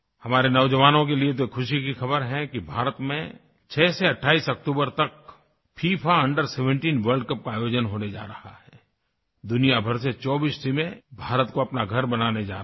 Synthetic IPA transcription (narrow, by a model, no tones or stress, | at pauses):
hɐmaːɾenɐʊd͡ʒəʋaːnõk̬eliet̪̬okʰʊʃikixɐbəɾɦɛkibʱaːɾət̪mḛ̃ | t͡ʃʰɛːseɐʈʰaːiːsɐk̚ʈuːbəɾt̪ɐk̚ | pʰiːpʰaɐ̃ɳɖəɾseːʋə̃ɳʈiːnʋəɾɖkɐp̚kaːjoːd͡ʒənɦoːned͡ʒa̰ːɾɐhaɦɛː | d̪ʊnijabʱɐɾset͡ʃɔːbiːstimẽbʱaːɾət̪koɐpnaɡʱɐɾbɐnaːned͡ʒa̰ː